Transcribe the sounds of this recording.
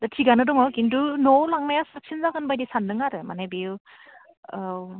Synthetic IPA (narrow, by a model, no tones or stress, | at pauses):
d̥atʰiɡanɯdɔŋɔwkindunɔwlaŋmajasak̚sinzaɡɯnbajdisanːɯŋaɾɯmanajbiu | aw